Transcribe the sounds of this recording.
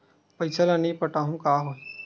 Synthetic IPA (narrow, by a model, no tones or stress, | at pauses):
pɐɪsalanĩpəʈaːɦũkaːɦoːe